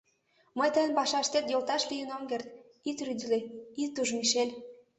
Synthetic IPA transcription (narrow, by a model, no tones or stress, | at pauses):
məjt̪əjnpɑʃɑʃt̪et̪jolt̪ɑʃlijənoŋɡert̪ | it̪ryd̪leit̪ːuʒmiʃelʲ